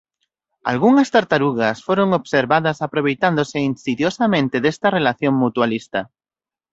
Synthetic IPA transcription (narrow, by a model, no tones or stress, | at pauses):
a̰lɣuŋast̪aɾt̪aɾuɣasfoɾoŋoβseɾβaðasapɾoβ̞ejt̪and̪oseinsiðjosamẽnt̪eðest̪arelaθjoŋmut̪ualist̪a